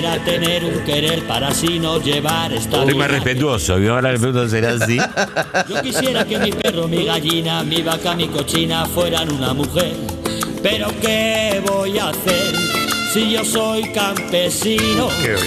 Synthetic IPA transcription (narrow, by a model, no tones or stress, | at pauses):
ɾat̪e̞neɾuŋkeɾeɾpaɾasinoʎeβ̞aɾest̪oojmarepet̪̬uosoaaɾaepeɾunt̪os̬eɾas̬iʝokisjeɾake̞miperomiɣaʎinamiβakamikot͡ʃinafwe̞ɾanũnamuxeɾ | peɾo̞keβojaθeɾsiʝo̞so̞jkampesino